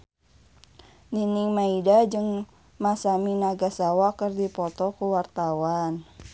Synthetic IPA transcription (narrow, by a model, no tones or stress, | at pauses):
niniŋmaidad͡ʒɨŋ | masaminaɡasawakərdipɔt̪ɔkuwart̪awan